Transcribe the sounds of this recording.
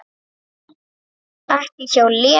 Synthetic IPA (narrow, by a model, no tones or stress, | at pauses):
ast̪ɪt͡ʃawlɪ